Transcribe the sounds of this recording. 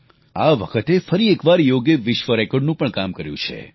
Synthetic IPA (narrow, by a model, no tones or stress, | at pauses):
a̰ʋəkʰət̪efəɾiekʋaɾjoɡjeʋɪʃʋəɾekoɾɖnũpəɳkamkəɾjũt͡ʃʰḛ